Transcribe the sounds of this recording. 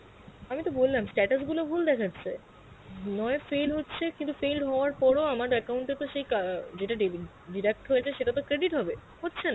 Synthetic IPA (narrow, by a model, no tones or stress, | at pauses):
amit̪obollamsʈɛʈas̬ɡulobʱuld̪ɛkʰatːɕʰe | nɔefejlɦotːɕʰekint̪ufelɖɦɔoaɾpɔɾoamaɾɛkauɳʈet̪oʃejkad͡ʑeʈaɖi | ɖiɾek̚ʈɦojet͡ɕʰeʃeʈat̪okɾeɖiʈɦɔbe | hotːɕʰena